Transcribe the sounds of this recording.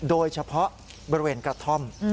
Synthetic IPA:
doː˧jt͡ɕʰa˧pʰɔ˦˥ʔ | bɔ˧ɾi˧weː˧nkɾa˧t̪ʰo˥˩m

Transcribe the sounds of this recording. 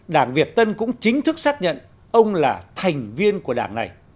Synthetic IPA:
ɗaː˧˩ŋvi˨˩ət̚t̪ə˧nkʊ̰˧˥ŋ͡mt͡ɕï˨˦ŋ̟t̪ʰɨ˦˥k̚saː˦˥k̚ɲə̰˧˨n | ʔə˧wŋ͡mlaː˨˩t̪ʰa˨˩jŋ̟vi˧ənku˧˩əɗaː˧˩ŋna˨˩j

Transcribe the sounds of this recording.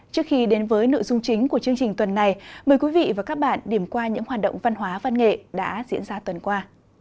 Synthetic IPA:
t͡ɕɨ˦˥əkxi˧ɗe˨˦nvəː˨˦jnɨ̰˧˨zʊ˧ŋ͡mt͡ɕï˨˦ŋ̟ku˧˩ət͡ɕɨ˧əŋt͡ɕï˨˩ŋ̟t̪wə˨˩nːa˨˩jməː˨˩jkwi˨˦vḭ˧˨vaː˨˩kaː˦˥k̚ɓa̰ː˧˨nɗi˧˩əmkwaː˧ɲɨ̰˧˥ŋhwaː˨˩t̚ɗə̰˧˨wŋ͡mva˧nɦwaː˨˦va˧nŋḛ˧˨ɗa̰ː˧˥zḭ˧˥ənzaː˧t̪wə˨˩nkwaː˧

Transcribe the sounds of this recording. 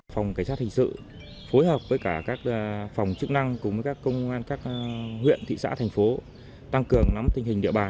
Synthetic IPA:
fwŋ͡mka̟˧˩saː˦˥t̚hï˨˩ŋsɨ̰˧˨ | fo˨˦jhəː˨˩p̚vəː˨˦jkaː˧˩kaː˦˥k̚ːfa˨˩wŋ͡mt͡ɕɨ˦˥k̚na˧ŋkʊ˧ŋ͡mvəː˨˦jkaː˦˥kːə˧wŋ͡mʔaː˧nkaː˦˥k̚hwḭ˧˨ənt̪ʰḭ˧˨sa̰ː˧˥t̪ʰjŋ̟fo˨˦ | t̪a˧ŋkɨ˨˩əŋna˨˦mt̪ï˧ŋ̟ɦï˨˩ŋ̟ɗḭ˧əɓaː˨˩n

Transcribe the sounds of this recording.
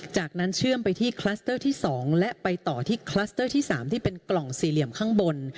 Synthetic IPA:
t͡ɕaː˨˩k̚na˦˥nt͡ɕʰɯ˥˩əmpa˧jt̪ʰiː˥˩kʰlaː˦˥st̪ɤː˥˩t̪ʰiː˥˩sɔː˩˦ŋlɛ˦˥ʔpa˧jt̪ɔː˨˩t̪ʰiː˥˩kʰlaː˦˥st̪ɤː˥˩t̪ʰiː˥˩saː˩˦mt̪ʰiː˥˩pe˧nklɔ˨˩ŋsiː˨˩li˨˩əmkʰaː˥˩ŋbo˧n

